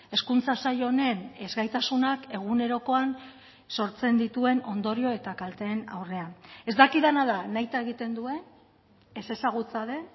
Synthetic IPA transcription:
e̞skunt͡sasaʎo̞ne̞ne̞zɣajt̪asunake̞ɣ̞une̞ɾo̞ko̞an | so̞ɾt͡se̞nd̪it̪ue̞no̞nd̪o̞ɾio̞e̞t̪akalt̪e̞ːna̰wre̞ane̞zd̪akiðanaðanajt̪ae̞ɣit̪e̞nd̪ue̞ | ese̞saɣ̞ut͡saðe̞

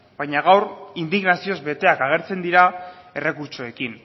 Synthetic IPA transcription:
bajɲaɣ̞awɾind̪iɣnasio̞zbe̞t̪e̞akaɣ̞e̞ɾt͡se̞nd̪iɾa | e̞re̞kuɾt͡soe̞kin

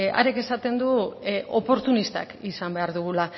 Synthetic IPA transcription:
a̰ɾeke̞sat̪e̞nd̪uʔo̞po̞ɾt̪unist̪a̰kisambe̞aɾðuɣ̞ula

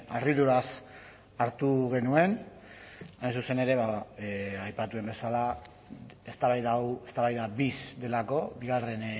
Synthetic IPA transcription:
a̰riðuɾas | aɾt̪uɣe̞nue̞n | ajnsuse̞ne̞ɾe̞βa | ajpat̪ue̞mbe̞sala | est̪aβajðawe̞st̪aβajðabisd̪e̞lako̞βiɣare̞n

